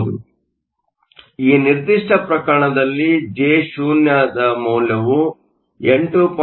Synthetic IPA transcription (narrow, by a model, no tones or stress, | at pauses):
u | iːniɾd̪iʂʈɐpɾɐkɐɾɐɳɐd̪ɐlːid͡ʒeːʃuːnjɐd̪ɐmuːlɐʋu | eɳʈup